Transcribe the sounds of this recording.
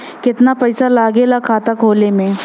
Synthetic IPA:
kɪt̪napɐɪsalaːɡelakʰaːt̪akʰoːlemẽ

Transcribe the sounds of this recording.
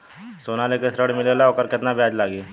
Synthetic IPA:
soːnalekesɾəɽmɪlelaokəɾkɪt̪nabʱjaːd͡ʒlaːɡiː

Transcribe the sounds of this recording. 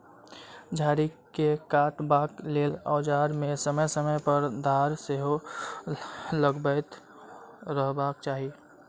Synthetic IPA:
d͡ʒʱaːɾikekaːʈbaːklelɔːd͡ʒaːɾmẽsəməjsəməjpəɾd̪ʱaːɾseɦo | ləɡbət̪ | ɾəɦbak̚t͡ʃaːɦie

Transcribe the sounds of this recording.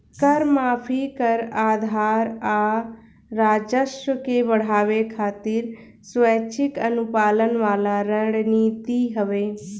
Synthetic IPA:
kəɾmaːpʰikəɾaːd̪ʱaːɾaː | ɾaːd͡ʒəʃəkebəɽ̤aːʋekʰaːt̪ɪɾ | swɛːt͡ʃʰɪkənʊpaːlənʋaːlaɾə̃ɖniːt̪iɦəʋeː

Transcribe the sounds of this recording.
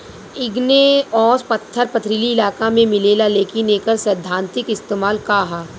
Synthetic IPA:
ɪɡneɔːspɐt̪ʰːəɾpɐt̪ʰɾiliɪlaːkamẽmɪleːlaleːkineːkəɾsəd̪ʱːãːnt̪ɪkɪst̪eːmaːlkaːɦaː

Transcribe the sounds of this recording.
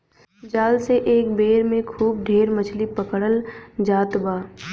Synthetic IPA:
d͡ʒaːlseʔeːkbeːɾmẽkʰuːb̚ɖʱeːɾmət͡ʃʰlipəkɽəld͡ʒaːt̪baː

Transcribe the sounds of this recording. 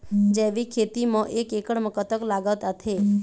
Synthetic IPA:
d͡ʒeʋikʰet̪imãʔekekəɽməkət̪əklaɡət̪ət̪ʰe

